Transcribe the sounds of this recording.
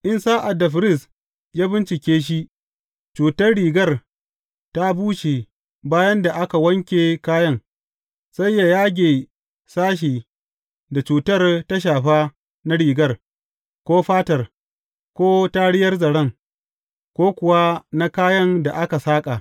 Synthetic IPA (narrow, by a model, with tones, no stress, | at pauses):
ʔɪ˦nsaː˦ʔa˨dːa˨ɸɪ˨ɾɪ˦˨s | jaː˦bɪ˦nt͡ʃɪ˨kʲeː˦ʃ̬i˦ʔ | t͡ʃuː˨tɐ˦rɽiː˨ɡɐ˦˨r | ta˦buː˦ʃe˨ | baː˦jɐ˦nda˨ʔa˦ka˨wɐ˦ŋkʲeː˨kaː˦jɐ˦ŋ | sa˦jːa˨jaː˦ɡʲeː˨ | saː˦ʃ̬iː˨ | da˨t͡ʃuː˨tɐ˦rta˦ʃ̬aː˨ɸa˦ | na˦ɽiː˨ɡɐ˦r | kʷoː˦ɸaː˦tɐ˨r | kʷoː˦ta˦ɽɪ˦jɐ˦rzɐ˨ɽɐ˦ŋ | kʷoː˦kʷʊ˨wa˦na˦kaː˦jɐ˦nda˨ʔa˦ka˨saː˦kʼa˨